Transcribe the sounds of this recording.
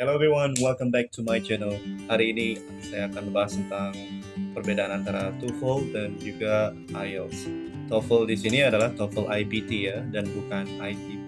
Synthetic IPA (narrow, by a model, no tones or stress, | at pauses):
hɛlobiwanwɛlkə̃mbɛk̚tʰumajd͡ʒɛnəlhaɾiːni | msajakanləbaɦast̪ənt̪aŋpərbedaʔanant̪aɾat̪ufəldand͡ʒuɡa | ʔajɔls | t̪ɔfəldisiniadalaht̪ɔfəlʔajbit̪ijadanbukanajt̪i